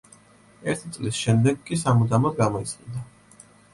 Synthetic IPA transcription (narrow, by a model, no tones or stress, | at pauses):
ɛɾt̪ʰit̪sʼlisʃɛmd̪ɛɡkʼːisamud̪amɔd̪ɡamɔit̪sʰʼχind̪a